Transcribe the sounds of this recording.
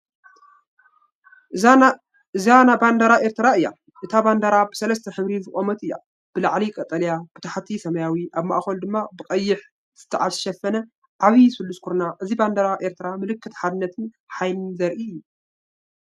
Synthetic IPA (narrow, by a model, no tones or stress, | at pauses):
ɨzanaband̪ɐɾaʔeɾt̪ʰɨɾaɨjːa̰ | ʔɨt̪ʰaband̪ɐɾabɨsɐlɐs̬t̪ʰɐħɨβɾizɨkʼomɐt̪ɨjːa̰ | b̥ɨlaʕlikʼɐt̪ʼɐljab̥ɨt̪ʰaħat̪ʰisɐmɐjawiʔaβma̰ʔxɐld̪ɨmːabɨkʼɐjːɪħ | ɨ̥t̪ʰːɨʕat̪ʃɛfːɐnɐ | ʔaβisɨlːuskʰoɾnaʔɨziband̪ɐɾaʔe̞ɾt̪ʰɨɾamɨlɨkːɨt̪ħad̪ɨnːɐt̪ʰɨn | ħajlɨnzɐɾʔiɨjːu